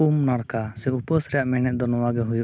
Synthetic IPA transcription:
umnaɽkasɛupəsɾɛjaʔmɛñɛʔ̚d̪ɔnɔwaɡɛɦuju

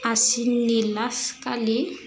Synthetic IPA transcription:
asinnilaskale

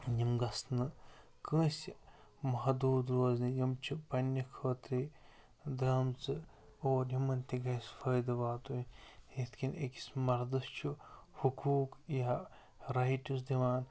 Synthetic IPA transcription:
jimɡɐsnɨ | kə̃ːsʲ | mɐɦd̪uːd̪ɾoːznijimt͡ʃʰupɐnʲːikʰoːt̪ɾi | d̪ɾɐmt͡sɨ | oːɾjimɐnʲt̪ʲiɡɐsfəjd̪ɨʋaːt̪uiet̪ʰkʰʲinḛki̥smɐɾd̪ɨst͡ʃʰu | hukuːkja | ɾɐiʈʲus̬d̪iʋaːn

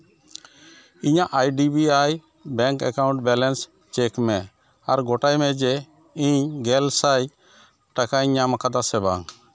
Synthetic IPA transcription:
iɲaʔajɖibiaj | bɛ̃ŋkɛ̰kaw̃ɳʈ̚bɛlɛns | t͡ʃɛkmɛ | aɾɡɔʈajmɛd͡ʒɛ | iɲɡɛlsaj | ʈakaiɲamakad̪asɛba̰ŋ

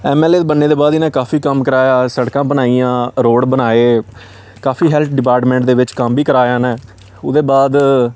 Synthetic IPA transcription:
ɛːmɛːleːd̪bənːeːd̪eːbaːd̪ɪnãːkaːfiːkəmkəɾaːjaːsəɽkãːbənaːijãːɾoːɽbənaːeː | kaːfʰiːɦɛːlt̪̚ʰɖɪpaːɾʈmɛ̃ːɳʈ̚d̪eːʋɪt͡ʃkəmbiːkəɾaːjãːnɛː | ʊd̪eːbaːd̪

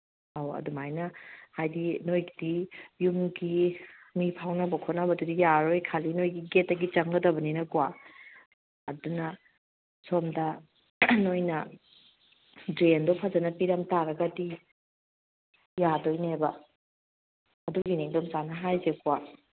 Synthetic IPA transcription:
awɐ̰dumajnɐhajdinojɡidijumɡimipʰawnɐbɐkʰotnabɐdudijaɾojkʰalinojɡiɡetːɐɡit͡ʃɐŋɡɐdɐbɐninɐkwa | dunɐ | somdɐ | nojnɐ | dɾendopʰazɐnɐpiɾamtaɾɐɡɐdi | jadojnebɐ | ɐduɡiniŋdomzanɐɦajzekwa

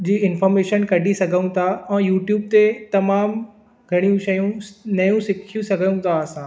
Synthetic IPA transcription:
d͡ʑiːɪnfɔːɾmeːʃənkɐɖʱisɐɡʱəũt̪ʰaɛ̃ːjuːʈjuːb̚t̪et̪ɐmaːm | ɡʱɐɽ̃ijũʃɐjũnɐjũsɪkʰijũsɐɡʱəjũt̪ʰaɐsã

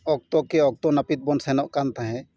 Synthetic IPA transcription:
ɔk̚t̪ɔkɛɔk̚t̪ɔnapit̪̚bɔnsɛnɔʔkant̪aɦɛ̃

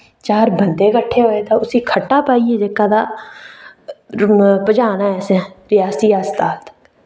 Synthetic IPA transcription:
t͡ʃaːɾbənd̪eːkəʈʰːeːɦoːeːd̪aːʊsiːkʰəʈːaːpaːiːeːd͡ʒekːaːd̪aː | pəd͡ʒaːnaːɛːsɛ̃ːɾɪjaːsiːaːst̪aːlt̪

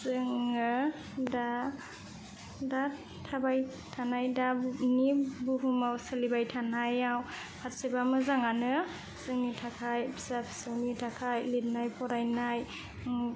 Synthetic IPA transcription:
sɯŋɯ | da | da | tʰabaj | tʰanajdanibuɦumawsɯlibajtʰanajaw | pʰat̚sibamɯzaŋanɯ | sɯŋnitʰakʰajbʰsapʰi̥sɯwnitʰakʰajlit̚najpʰɔɾajnaj

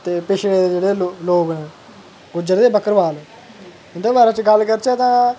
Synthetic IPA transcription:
t̪eːpɪʃʰeːd̪ed͡ʒeːɽeːlloːɡnẽː | ɡʊd͡ʒəɾd̪eːbəkəɾʋaːl | ɪnd̪oːbaːɾãːt͡ʃɡəlkəɾt͡ʃɛːt̪ãː

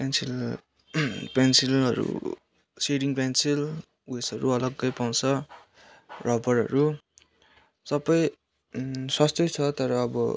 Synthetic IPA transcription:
pensil | pensilɦʌɾṵ | seɽiŋpansil | wesʌɾuʌlʌɡːʌjpaw̃t͡sʰʌ | rʔʌbʌɾɦʌ̰ɾu | sʌbʌj | swast̪ʌjt͡sʰʌt̪ʌɾʌːbʌ

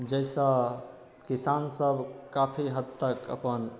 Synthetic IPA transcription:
d͡ʒɛɪsə̃ | kisansəbʱkapʰiɦəd̪̚əkə̰pən

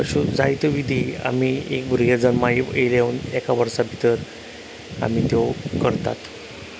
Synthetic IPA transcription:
əɕud͡zajt̪əʋid̪ʱiːa̰m̤iːek̚buɾɡad͡zanmaielaunɛkaʋəɾsabʱit̪əɾ | a̰m̤iːt̪okəɾt̪a̰t̪

